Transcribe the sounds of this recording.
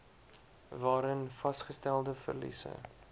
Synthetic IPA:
vɑːɾənfɐsχəstælˠdəfə̰rlḭsə̰

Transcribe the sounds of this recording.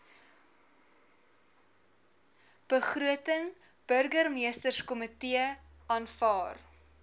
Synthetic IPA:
b̥əχruətəŋ | b̥ɵrɡərmiəstərskɔmətiə | ʔɑːnfɑːr

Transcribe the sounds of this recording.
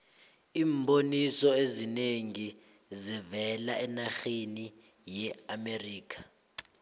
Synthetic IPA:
iːmbʱonisɔezineŋi | zivɛlaʔɛnaxeni | jɛameriːk̬ʰʼḁ

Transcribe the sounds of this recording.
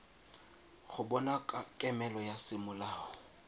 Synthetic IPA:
χʊbɔnakʼakʼɛmɛlɔjasɪmʊlaːhɔ

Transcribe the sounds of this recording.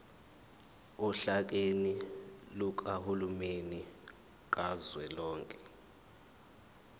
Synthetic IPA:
uɬak̬eniluk̬ahulumeni | k̬azwɛlɔːŋkʼɛ̥

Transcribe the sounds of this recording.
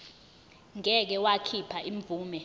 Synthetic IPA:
ŋɛk̬ɛwakʰipʰaʔiɱvʱuːmɛ

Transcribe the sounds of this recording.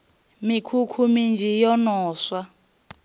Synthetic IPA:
mikʰukʰumind͡ʒʱijɔnɔːswa

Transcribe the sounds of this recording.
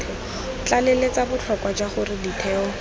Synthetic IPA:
t͡ɬalelet͡sabʊt͡ɬʰɔkwad͡ʒaχʊrɪditʰɛːɔ

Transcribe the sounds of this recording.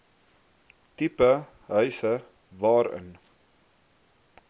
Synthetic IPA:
tipə | ɦœɥsə | vɑːɾə̰n

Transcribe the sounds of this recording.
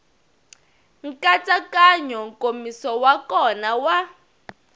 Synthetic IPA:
ŋ̩kʼat͡sʼakaɲɔŋkʼomisɔwakɔnawa

